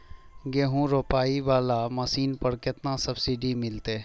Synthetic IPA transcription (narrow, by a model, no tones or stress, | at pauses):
ɡeːɦũɾoːpaːiʋaːlamasiːnpɐɾkɪt̪nasɐbsɪɖimɪlt̪eː